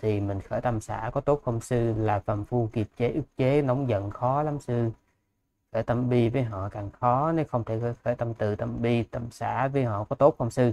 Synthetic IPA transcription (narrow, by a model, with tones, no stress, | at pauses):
t̪ʰi˨˩mï˨˩ŋ̟xəː˧˩jt̪ə˧msa̰ː˧˩kɔ˨˦t̪o˦˥p̚xə˧wŋ͡msɨ˧laː˨˩fə˨˩mfu˧ki˨˩p̚t͡ɕe˨˦ʔɨ˦˥k̚t͡ɕe˨˦nə˨˦wŋ͡mzə̰˧˨nxɔ˨˦la˨˦msɨ˧ | xəː˧˩jt̪ə˧mɓi˧vəː˨˦jɦɔ̰˧˨kaː˨˩ŋxɔ˨˦ne˨˦wxə˧wŋ͡mt̪ʰe˧˩˧xəː˧˩jt̪ə˧mt̪ɨ˨˩t̪ə˧mɓi˧t̪ə˧msa̰ː˧˩vəː˨˦jɦɔ̰˧˨kɔ˨˦t̪o˦˥p̚xə˧wŋ͡msɨ˧